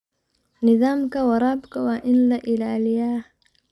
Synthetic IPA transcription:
nɪzaːmkawaɾaːbkawaʔɪnlaʔɪlaːlija

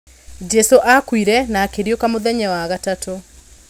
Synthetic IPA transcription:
d͡ʒɛsoʔakwiɾɛnaːkeɾjokamoðɛɲɛwaɣatato

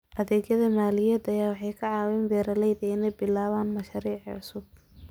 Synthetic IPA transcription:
ʔɐðɛːɡjɐðɐmaːlɪjɛːd̪ɐjaːwɑħɑjkʰɑʕɑːwɛːnbɛːɾɐlɛjðɛjnɐbɪlaːβaːnmɐʃɑɾiːʕʕʊsʊb̚

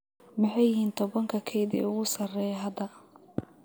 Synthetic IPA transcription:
mɪħɑjɪhiːnt̪ʰɔβɐŋkʰɐkʰɛjðɛ̰ʊɣʊsɐrɛjɦɐd̪ɐ

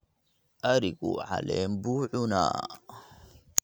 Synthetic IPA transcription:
ʔɐɾikʼuʕalenbuːʕʊna̰ː

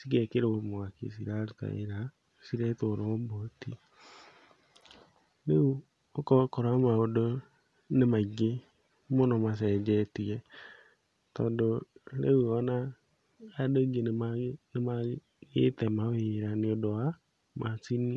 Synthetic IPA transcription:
siɡekeɾeomoakḛsiɾaɾita̰eɾa | siɾetoɾoombotḭ | leu | okɔkoɾamaodo | nemaɡe | monomas̬ɛd͡ʒɛtijɛ | tɔːndolḛuɔna | adoɡenmanema | ɡetɛmaweɾaneodoa | mʔat͡sini

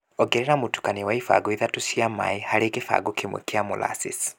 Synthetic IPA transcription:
ɔɡɛɾɛɾamutu̥kaniwaifa̰ɡɔiðatusiama̰ihaɾekifa̰ɡɔkimwḛkiamṵla̰sis

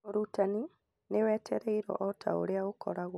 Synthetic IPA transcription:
oɾutani | newɛːtʰɛɾɛiɾɔ̰ʔɔtʰa̰o̰ɾeaɣokʰɔɾaɣw

